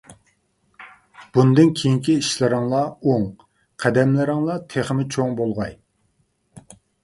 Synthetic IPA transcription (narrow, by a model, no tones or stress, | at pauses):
b̥und̪ɪnkʲʰejiŋkʲiiʃlɪɾɪŋlˠɑoŋ | qʰæd̪ɛmlɪɾɪŋlˠɑt̪ʰeχmɪt͡ʃʰoŋbolˠʁɑj